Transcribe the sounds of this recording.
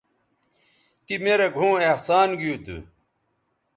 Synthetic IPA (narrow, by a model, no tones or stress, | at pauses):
t̪imeɾeɡʱõːehsaːnɡijut̪ṵ